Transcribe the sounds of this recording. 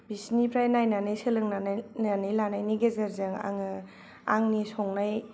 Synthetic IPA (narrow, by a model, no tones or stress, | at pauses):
bisnipɾajnajnanɯjsɯlɯŋnannanɯjlanajniɡezeɾzɯŋa̰ŋɯ | a̰ŋnisɔŋnaj